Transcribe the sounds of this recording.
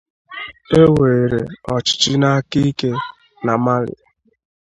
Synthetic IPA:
e˦we˨ɾe˨ɔ˨t͡ʃɪ̥˨t͡ʃɪ˦na˦a˦ki˦ke˦ | na˨ma˦lɪ̰˨

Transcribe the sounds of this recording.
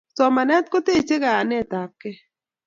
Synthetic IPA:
sɔ˨ma˨nɛ˦t̪̚ko˦te˦˨t͡ʃe˦ɡa˨a˨nɛ˦˨t̪a˨p̚kɛ˦

